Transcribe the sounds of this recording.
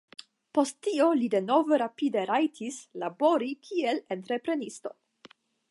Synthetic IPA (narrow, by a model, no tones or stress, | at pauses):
po̞sttːio̞lide̞no̞ve̞ɾapide̞ɾajtʰislabo̞ɾikʰie̞lentɾepɾe̞nisto̞̰